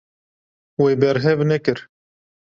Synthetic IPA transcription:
weːbɛɾɦɛvnɛkɨɾ

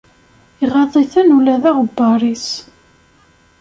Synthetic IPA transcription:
iʁɑðˤiθænulæðæʁbːɑɾˤis

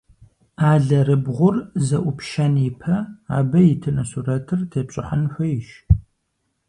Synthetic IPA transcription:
aːɮɐrɨbʁʷʊrzɐʔʷʊpʃɐnɪpʰɐa̰ːbɐjɪtʰɨnɐsurɐtʰɨrtʰeːpɕʼɪħanħʷɔjɪʃ

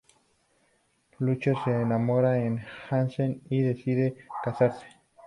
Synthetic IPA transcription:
lut͡ʃaseːnamoɾaenxanseniðe̞siðekasaɾse̥

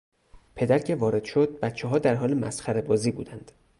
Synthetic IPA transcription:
pʰe̞d̪æɾcʰe̞vɒːɾe̞d̪̥ʃod̪̥̚bæt̪t͡ʃʰeɦɒːd̪æɾɦɒːlemæ̰sxæɾe̞bɒːziːbṵːd̪ænd̪̥

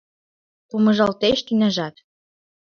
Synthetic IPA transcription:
kumɤ̆ʒɑlt̪eʃt̪ynæʒɑt̪

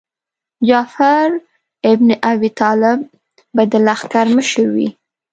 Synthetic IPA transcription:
d͡ʒɑfaɾ | ɪbneʔabit̪ɑlɪb̚ː | ad̪əlaxkaɾməʃəɾwḭ

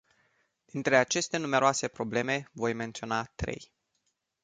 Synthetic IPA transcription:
d̪̥int̪ɾe̞at͡ʃe̞st̪e̞nume̞ɾoase̞pɾo̞ble̞me̞vo̞jme̞nt̪sio̞nat̪ɾe̞̰j

